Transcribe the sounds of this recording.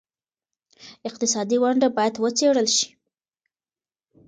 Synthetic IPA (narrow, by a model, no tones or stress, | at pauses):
ɪq̚t̪ɪsɑd̪iwaɳɖabɑjad̪wət͡seɽəlʃi̥